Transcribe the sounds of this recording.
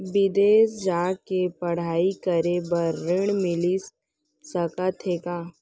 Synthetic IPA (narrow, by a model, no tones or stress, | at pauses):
bɪd̪eːsd͡ʒaːkepɐɽ̤aːikəɾebɐɾːɪɽ̃mɪlis | sɐkat̪ʰeːkaː